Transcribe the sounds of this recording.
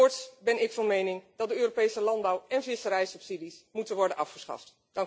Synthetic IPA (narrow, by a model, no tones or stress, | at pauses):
ʊɹtsbɛnɪkfɑnmejnɪŋd̥ɑt̚dəøːropejsəlɑnbɑwɛnvɪsəɾɛjsɵpsidismutənʋɔɹdənʔɑfχəsχɑ̰ft | d̥ɑŋ